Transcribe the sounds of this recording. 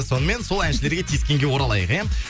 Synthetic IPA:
so̞nəme̞nso̞lˠænʃɪle̞ɾɡʲe̞t̪ʰiskʲe̞ŋɡʲe̞wo̞ɾɑlˠɑjəqe

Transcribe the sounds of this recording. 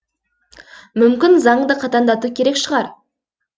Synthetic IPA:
mʏmkʲɪnzɑɴd̪əqʰɑt̪ɑnd̪ɑt̪ukʲʰe̞ɾe̞kʃəʁɑɾ

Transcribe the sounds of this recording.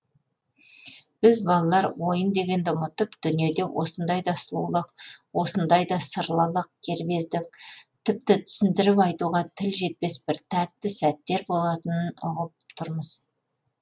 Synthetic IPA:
b̥ɪzbɑlˠɑlˠɑɾwo̞jənd̪e̞ɡʲe̞nd̪ɪʊmət̪əpd̪̥ʏnije̞d̪e̞wʔo̞̰sənd̪ɑjd̪ɑslˠṵlˠəq̚wo̞sənd̪ɑjd̪ɑsəɾlˠɑlˠəq̚kʲʰe̞ɾbe̞zd̪ɪk̚t̪ʰɪp̚t̪ɪt̪ʰʏ̥sɪnd̪ɪɾɪpɑjt̪uʁɑt̪ʰɪlʒe̞t̪̚pe̞sbɪɾt̪ʰæt̪ːɪsæt̪ːe̞ɾbo̞lˠɑt̪ənənʊʁəp̚t̪ʰʊɾməz̥

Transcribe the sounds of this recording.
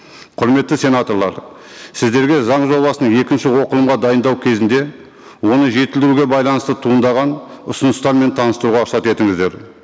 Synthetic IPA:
qʰʊɾme̞t̪ːɪse̞nat̪o̞ɾlˠɑɾ | sɪzd̪e̞ɾɡʲe̞zɑɴʒo̞lˠbɑsənəɴje̞kʲɪnʃɪwo̞qəlˠəmʁɑd̪ɑjənd̪ɑwkʲʰe̞zɪnd̪e̞ | wo̞nəʒe̞t̪ɪld̪ɪɾuɡʲe̞bɑjlˠɑnəst̪ət̪ʰuənd̪ɑʁɑnʊsʊnəst̪ɑɾme̞nt̪ʰɑnəst̪əɾuʁɑəsɑt̪e̞t̪ɪŋɪzd̪e̞ɾ

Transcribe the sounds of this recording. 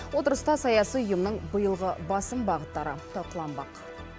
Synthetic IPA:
wo̞t̪əɾəst̪ɑsɑjɑsijʊjəmnəɴbəjəlˠʁəbɑsəmbɑʁət̪ːɑɾət̪ʰɑlˠqəlˠɑnbɑq

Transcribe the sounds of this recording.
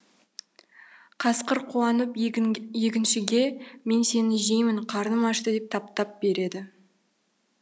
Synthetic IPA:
qʰɑsqəɾqʰuɑnəpje̞kʲɪnʃɪɡʲe̞me̞nse̞nɪʒejmɪɴqʰɑɾənəmɑʃt̪əd̪e̞p̚t̪ʰɑp̚t̪ɑp̚be̞ɾe̞d̪ɪ

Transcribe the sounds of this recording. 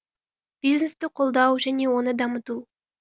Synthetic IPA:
b̥iznest̪ɪqʰolˠd̪ɑwʒæne̞wo̞nəd̪ɑmət̪u

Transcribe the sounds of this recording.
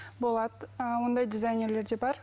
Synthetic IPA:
bo̞lˠɑd̪əwo̞nd̪ɑjd̪ʲɪzajnʲe̞ɾle̞ɾd̪e̞bɑɾ

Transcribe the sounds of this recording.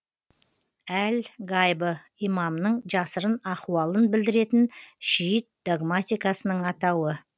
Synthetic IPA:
ælɡɑjbə | ijmɑmnəɴʒɑsəɾənɑquwɑlˠənbɪld̪ɪɾe̞t̪ɪnʃijət̪̚d̪oɡmat̪ijkɑsənəɴɑt̪ɑwə

